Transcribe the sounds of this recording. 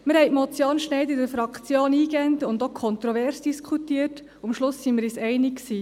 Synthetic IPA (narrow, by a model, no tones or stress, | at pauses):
məɾhɛɪtmɔt͡sjɑːnʃnɛɪd̪ɪdəɾfɾɑkt͡sjoːniːɡɛntʊnd̪okʰɔnt̪ɾɔʋɛɾsd̥iskχutiːərt | umʃlʊsːimɪɾisɛjnɪkksiː